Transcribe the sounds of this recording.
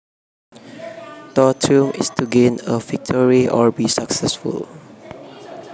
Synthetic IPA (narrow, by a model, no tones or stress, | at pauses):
tɔtʰũmɪ̰stʰuɡẽnəvɪk̚tʰɔɹiʔɔbisaksɛsfṵl